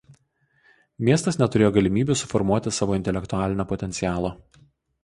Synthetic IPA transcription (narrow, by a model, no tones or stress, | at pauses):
mʲiɛst̪ɐsnʲɛt̪ʊɾʲeːjoːɡɐlʲɪmʲiːbʲusʊfɔɾmuɔt̪ʲɪsɑːʋoːɪnt̪ʲɛlʲɛkt̪ʊæːlʲɪnʲoːpɔt̪ʲɛnʲsʲɪjæːlˠoː